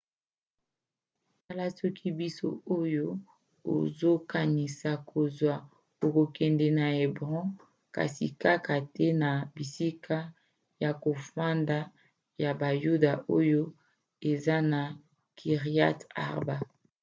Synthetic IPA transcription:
ta˦la˦sɔ˦kʰi˦bi˦so̰˦o˦jo˦ | o̰˨zo˦ka˨ni˨sa˨kʰo˨zwa˨ | o˨ko˨kɛ˨ndɛ˨na˨e˨bʁɔ̃˦ | ka̰˨sḭ˨ka˦ka˨tɛ˦na˨bi˨si˦ka˦ | ja˨ko˨fa˦nda˦ | ja˨ba˨ju˦da˨ʔo˦jo˦ | e˨za˦na˨ | kʰi˨ʁi˦a̰˦ta̰˦˨ʁba˦

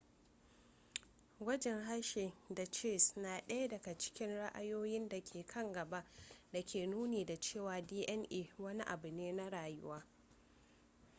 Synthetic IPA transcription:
ɡʷɐ˦d͡ʒɛ˨ŋɦa˦ʃeː˨da˨t͡ʃeː˦˨snaː˨ɗɐ˦ja˦dɐ˨ɡa˨t͡ʃɪ̥˦kʲɪ˦nɽa˦ʔa̰˦joː˦jɪ˦nda˨kʲʰeː˨kʰɐ˦ŋɡɐ˨ba˦ʔda˨kʲʰeː˨nuː˦neː˨da˨t͡ʃeː˦˨waː˨diː˦ʔɛ˦nʔeː˨wɐ˦ni˦ʔa˨bʊ˨neː˦na˦ɽaː˨jʊ̰˦waː˦

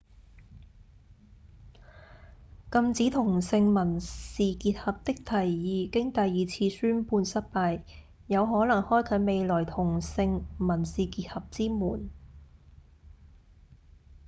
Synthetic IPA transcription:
kɐ˧mt͡siː˨˥t̪ʰʊ˨˩ŋsɪ˧ŋmɐ˨˩nsiː˨kiː˧t̚hɐ˨p̚t̪ɪ˥k̚t̪ʰɐ˨˩jːiː˨˧kɪ˥ŋt̪ɐ˨jːiː˨˧t͡sʰiː˧syː˥npuː˧nsɐ˥t̚paː˧j | jɐ˨˧wɦɔː˨˥lɐ˨˩ŋhɔː˥jkʰɵ˨˥me˨˧jlɔː˨˩jt̪ʰʊ˨˩ŋsɪ˧ŋmɐ˨˩nsiː˨kiː˧t̚hɐ˨p̚t͡siː˥muː˨˩n

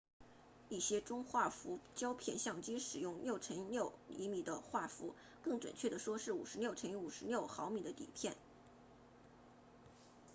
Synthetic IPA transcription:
i˥˩ɕjɛ˥ʈ͡ʂʊ˥ŋxwa˥˩fu˧˥t͡ɕjɑ˥ʊpʰjɛ˥˧nɕjɑ˥˩ŋt͡ɕi˥ʂɻ̩˨˩jʊ˥˧ŋnjo˥˩ʊʈ͡ʂʰə˧˥nnjo˥˩ʊḭ˧˥mi˨˩d̪ə˦xwa˥˩fu˧˥ | kɤ˥˩ŋʈ͡ʂwə̰˨˩nt͡ɕʰɥɛ˥˩d̪ə˩ʂwɔ˥ʂɻ̩˥˩ṵ˨˩ʂɻ̩˧˥ljo˥˩ʊʈ͡ʂʰə˧˥n˧˥u˨˩ʂɻ̩˧˥ljo˥˩ʊxɑ˧˥ʊmi˨˩d̪ə˦t̪ḭ˨˩pʰjɛ˥˩n

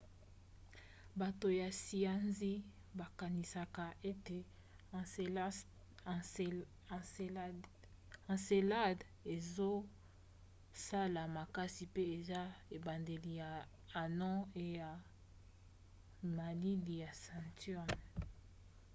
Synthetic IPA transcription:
ba˨to˨ja˨si˨a˦nzi˦ | ba˨ka˨ni˨sa˨ka˨ʔe˦te˨ | ã˨se˨la˦d | e˨zo˦ | sa˦la˨ma˨ka˦si˨pe˦e˨za˦e˨ba˨nde˨li˨jaː˨ | nɔ̃˦e˨ja˨ | ma˨li˦li˨ja˨sã˨ntjɔ˦˨n

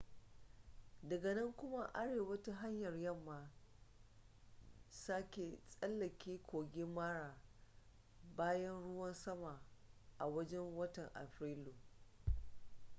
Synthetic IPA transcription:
dɐ˨ɡɐ˨nɐ˦ŋkʷʊ˦ma˦ʔa˦ɽeː˨wɐ˦ta˦ɦa˦ɲjɐ˨rjɐ˦˨mːaː˨ | saː˦kʲe˨sʼɐ˦lːɐ˨kʲʰeː˦kʷoː˨ɡʲɪ˦mːaː˦ɽaː˨ | baː˦jɐ˦nɽʊ˦wɐ˦nsɐ˦ma˨ʔa˨wɐ˦d͡ʒɛ˦ŋwɐ˦tɐ˨ŋʔa̰˨ɸɾiː˦lu˨

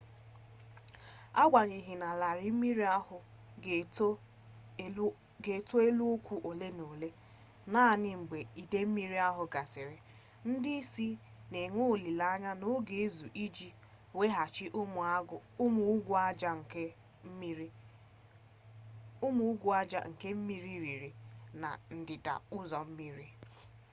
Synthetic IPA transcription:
a˦ɡʷa˨ɲi˨ɦi˨na˨la˨ɾɪ˦m̩˦mi˦ɾi˦a˦hʊ˨˦ | ɡe˨to˦e˦lu˦o˦kʷu˨ʔo˨le˦no˨le˦ | na˦˨nɪ˨ŋ͡m̩˨ɡ͡be˨i˨de˦m̩˦mi˦ɾi˦a˦ɦʊ˨ɡa˨sɪ˨ɾɪ˨ | n̩˦dɪ˦i˦si˦ | ne˨ŋʷu˦˨li˨la˦ɲa˦nʊ˦ɡe˦e˦zu˨ʔi˦d͡ʒi˦ | we˦ɦa˨t͡ʃɪ˦ʔʊ˦m˨˦ʊ˨˦mu˨˦ɡʷa˦a˦ŋ̩˨ke˦ | m˦ | ʊ˦mu˦u˦ɡʷu˦a˦d͡ʒa̰˨ŋ̩˨ke˦m̩˦mi˦ɾi˦ɾi˨ɾi˨na̰˨n̩˨dɪ˨da̰˨ʊ˦zɔ˨m̩˦mi˦ɾi˦

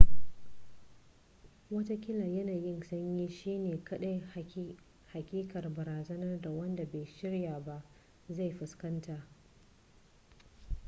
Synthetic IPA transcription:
wɐ˦ta˦kʲɪ˦la˨jɐ˦naː˨jɪ˦nsɐ˦ɲjiː˦ʃiː˦neː˨kɐ˦ɗa˦j | ha˨kʲʼiː˦kɐ˨rbɐ˨ɾaː˨zɐ˦nɐ˦rda˨wɐ˦nda˨ba˨jʃɪ˦ɽjaː˨ba˦ʔ | za˦˨jɸɪ˨skɐ˦ntaː˨ʔ

